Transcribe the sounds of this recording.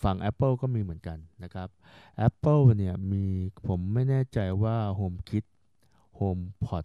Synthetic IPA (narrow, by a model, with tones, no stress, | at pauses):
fa˧˩ŋʔɛ˦˥pːə˥˩kɔː˥˩miː˧mɯ˩˦ənka˧nːa˦˥kʰɾa˦˥p̚ʔɛ˦˥pːə˥˩wni˥˩ɐmiː˧pʰo˩˦mːa˥˩jnɛː˥˩t͡ɕa˧jwaː˥˩ɦoː˧mkʰi˦˥t̪̚ | hoː˧mpʰɔ˨˩t̪̚